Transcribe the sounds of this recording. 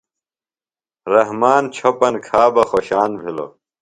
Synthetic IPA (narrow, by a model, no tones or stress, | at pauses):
ɾɐɦmaːnt͡ɕʰopɐnkʰaːbɐxoːɕaːnbʱilo̰